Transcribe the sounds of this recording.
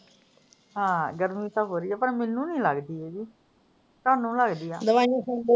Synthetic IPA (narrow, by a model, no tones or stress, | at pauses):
ɦãːɡəɾmĩːt̪aːɦoːɾiːɛːpəɳmɛːnːũːnĩːləɡd̪iːɛːd͡ʒiː | t̪aːnũːləɡd̪iːaːd̪əʋaːniːɦ